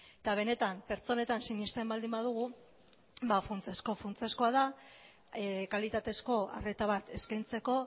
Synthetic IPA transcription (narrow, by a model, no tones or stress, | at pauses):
et̪aβ̞e̞ne̞t̪ampe̞ɾt͡so̞ne̞t̪ansiɲist̪embald̪imbað̞uɣ̞u | bafunt͡sesko̞funt͡se̞sko̞að̞a | kalit̪at̪e̞sko̞a̰re̞t̪aβ̞at̪e̞skajnt͡se̞ko̞